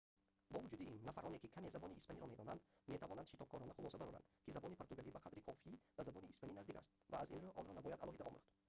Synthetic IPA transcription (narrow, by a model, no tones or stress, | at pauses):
bɔvud͡ʒud̪iinːafaɾʔɔne̞kikʰame̞zabɔniːspaniɾɔme̞d̪ɔna̰nd̪me̞t̪ʰavɔnand̪ʃit̪ɔb̚kʰɔɾɔnaχulˠɔsabaɾɔ̰ɾa̰nd̪kizabɔnipʰoɾt̪uɡalibaqʰad̪ɾikʰɔfibazabɔniːspaninazd̪ikʰa̰st̪̚vaːzinɾuʔɔnɾɔnabɔjad̪ʔalʔɔɦid̪aʔɔ̰muχd̪̥